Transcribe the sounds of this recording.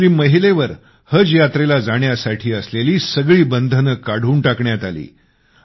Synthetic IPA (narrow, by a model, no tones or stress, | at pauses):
ɾiːməɦileʋəɾ | həd͡zjat̪ɾelad͡zaɳjasaʈʰiːəsleliːsəɡɭiːbənd̪ʱənəkːaɽ̤uːɳʈakɳjat̪alḭː